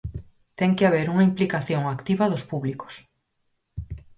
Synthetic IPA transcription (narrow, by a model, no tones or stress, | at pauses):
t̪ɛŋkeaβ̞eɾuŋaimplikaθjoŋakt̪iβɐðʊspuβliko̥s